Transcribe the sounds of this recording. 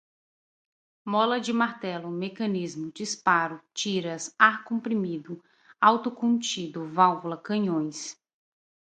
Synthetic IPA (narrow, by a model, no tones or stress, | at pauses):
mɔlɐd͡ʒɪmaɾt̪ɛlʊmekɐ̃nizmʊd͡ʒispaɾʊt͡ʃiɾɐsaɾkõmpɾimid̪ʊ | awt̪ʊkõnt͡ʃid̪ʊvawvulɐkɐ̃ɲõj̃s